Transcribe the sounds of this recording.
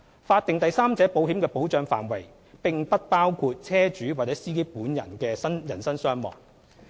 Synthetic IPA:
faː˧t̚t̪ɪ˨ŋt̪ɐ˨jsaː˥mt͡sɛː˨˥po˨˥wɦi˨˥mkɛː˧po˨˥wt͡ʃœː˧ŋfa̰ː˨˩nwɐ˨˩j | pɪ˨ŋpɐ˥t̚paː˥wkʰuː˧t̚t͡sʰɛː˥t͡ʃyː˨˥waː˨˩t͡sɛː˨˥siː˥ke˥puː˨˥njɐ̰˨˩nkɛː˧sɐ˥njɐ̰˨˩nsɐ˥nsœː˥ŋmɔ̰ː˨˩ŋ

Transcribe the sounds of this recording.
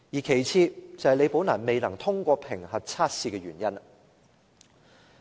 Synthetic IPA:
jiː˨kʰe˨˩jt͡sʰiː˧t͡sɐ˨˧hɐ˨jle˨˧jpo˨˥wnaː˨˩nme˨jnɐ˨˩ŋt̪ʰʊ˥ŋkʷɔː˧pʰɪ˨˩ŋhɐ˨t̚t͡sʰaː˥t̚siː˧kɛ˧ɥyː˨˩njɐ˥n

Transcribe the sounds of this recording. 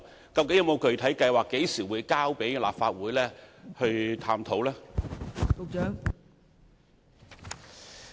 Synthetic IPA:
kɐ˧wkɪ˨˥jɐ˧mo˨˧wkʰɵ˨˧ɥt̪ʰɐ˨˥jkɐ˧jwaː˨kːe˨˥jsiː˨˩wuː˨˧jkaː˥wpe˨˥jla̰ː˨˩p̚faː˧t̚wuː˨˥jlɛː˥hɵ˧ɥt̪ʰaː˧mt̪ʰo˨˥wlaː˥ | o˨˧wt͡ʃœː˨˥ŋ

